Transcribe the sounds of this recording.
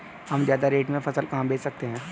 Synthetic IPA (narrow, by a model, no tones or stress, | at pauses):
hɐmzjaːd̪aɾeːʈmẽpʰɐsəlkaːmbeːt͡ʃsɐk̚t̪eɦɛ̃ː